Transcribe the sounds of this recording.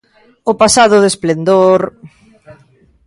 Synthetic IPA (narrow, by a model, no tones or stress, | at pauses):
ʊpasaðʊðesplend̪oɾ